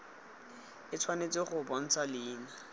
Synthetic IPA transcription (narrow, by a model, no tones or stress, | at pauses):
ɪt͡sʰwanet͡sɪχʊbɔn̩t͡sʰalɪːna